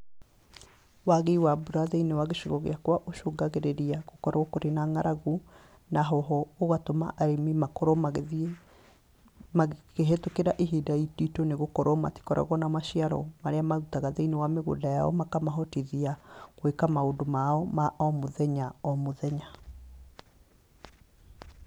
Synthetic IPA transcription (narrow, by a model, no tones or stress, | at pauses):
waɣeiwabuɾaðeinewaɣeʃiɣɔɣḛakwaʔoʃoɡaɣeɾeɾiaɣokɔɾaɔkoɾenaŋaɾaɣu | naɦɔɦɔːɣatoma̰ʔaɾemimakɔɾɔm | maɣeɦetokeɾaʔeɦidaititoneɣokɔɾɔma̰ti̥kɔɾa̰ɣɔnamaʃiaɾɔ̰maɾeamautaɣaðeinewameɣo̰dajaɔ̰makamaɦɔtiðiaɣwekamaondomaɔmaɔmoðɛɲaɔmoðɛɲa